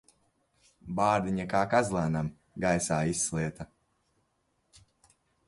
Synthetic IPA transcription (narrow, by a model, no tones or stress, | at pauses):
baːɾd̪iɲakaːkazlˠaːnam | ɡajsaːisːlˠiɛt̪a